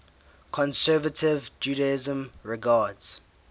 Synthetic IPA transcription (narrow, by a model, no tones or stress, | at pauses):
kʰɔ̃nsɛːvətʰɪvd͡ʒuːɾaɪzə̃mɹɪɡaːdz̥